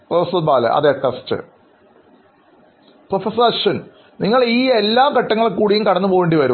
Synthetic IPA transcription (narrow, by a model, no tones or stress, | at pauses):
prɐfɐsɐðbaːlɐ̰ʔɐ̰ðeʈːɐstɨ̰ | profɐsɐɾɐʂɐn | niŋːɐɭiːelːaːkɐʈːɐŋːɐɭekːuːɽijumkɐɽɐnːɨpoːɣeɳɖiʋɐɾu